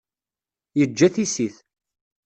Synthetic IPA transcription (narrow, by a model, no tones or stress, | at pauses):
jəd͡ʒːæθisiθ